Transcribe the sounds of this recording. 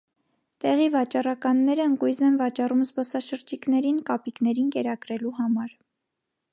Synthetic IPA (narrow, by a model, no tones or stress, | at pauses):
t̪ɛʁivɑt͡ʃɑrɑkɑnːɛɾəəŋkujzɛnvɑt͡ʃɑrumzbɔsɑʃəɾd͡ʒikn̪ɛɾinkɑpiknɛɾinkɛɾɑkɾɛluɦɑmɑɾ